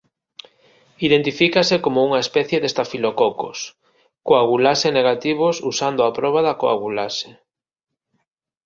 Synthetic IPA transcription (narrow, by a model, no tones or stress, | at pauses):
iðent̪ifikasekomouŋaespɛθjeðest̪afilokɔko̰s | koaɣulaseneɣat̪iβ̞osusand̪ʊapɾɔβ̞aðakoa̰ɣulase̥